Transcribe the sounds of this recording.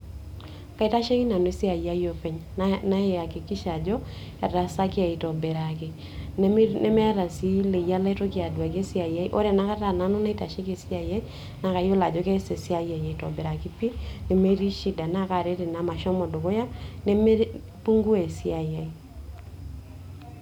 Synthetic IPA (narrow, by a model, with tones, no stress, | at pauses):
ka˨i˨ta˦ʃe˦ki˦na˨no˨e˦si˦a˨ja˦jo˦pɛ˨ɲna˦˨a˨kɪ˨kɪ˦ʃa˨d͡ʒɔ˦ | ɛ˨ɾa˨sa˦kɪ˦a˨i˨tɔ˨bɛ˨ɾa˨kɪ˨˦ | nɛ˦mɛ˦a˦ɾa˨si˦le˨ja˦la˦i˦to˦kɪ˦a˨dwa˨ke˦sɪ˦a˨ja˦i˦ʔo̰˦ɾɛ˨na˨˦ka˦ta˨na˨˦no˦na˦i˦ta˨ʃe˦ke˨sɪ˦a˨ja˦i˦ | na˨ka˨jo˦la˨d͡ʒɔ˨kɛ˦se˨sɪ˦a˦˨ja˨ja˨i˨tɔ̰˨bɛ˨ɾa˨kɪ˦pi˦ne˨me˦ɾi˦ʃi˦da˨na˦ka˨ɾe˦te˨na˨ma˨ʃɔ˦mɔ˨do˨ko˦ja˦ne˦me˦ | pu˦ŋɡu˦e˨si˦a˨ja˨i˨